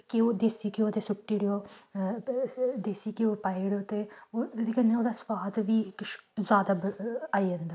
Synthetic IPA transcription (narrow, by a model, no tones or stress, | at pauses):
kioːd̪eːsiːkɪoːt̪eːsʊkʈiːɽioː | d̪eːsiːkioːpaːiɽoːt̪eːoːsiːkəneoːd̪aːspaːd̪ʋiːɪkʃzaːd̪aːbaːiːɦə̃nd̪a